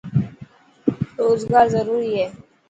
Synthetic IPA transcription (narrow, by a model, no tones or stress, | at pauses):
ɾoːzɡaːɾzəɾuːɾiɦɛː